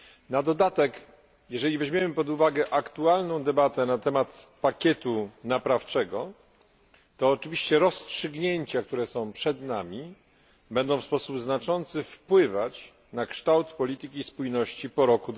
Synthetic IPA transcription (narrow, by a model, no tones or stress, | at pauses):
nad̪ɔd̪at̪ɛk | jɛʐɛlʲivɛʑmjemɘpɔd̪uvaɡɛʔakt̪ualnɔ̃w̃d̪ɛbat̪ɛnat̪ɛmat̪pakʲɛt̪unapɾaft͡ʂɛɡɔ | t̪ɔːt͡ʂɘvʲiɕt͡ɕɛɾɔstʂɘɡɲeɲt͡ɕak̚t̪uɾɛsɔ̃w̃pʂɛd̪namʲi | bɛnd̪ɔ̃w̃fspɔsubznat͡ʂɔnt̪sɘfpwɘvat͡ɕ | nakʂt̪awt̪pɔlʲit̪ɘkʲispujnɔɕt͡ɕipɔɾɔkud̪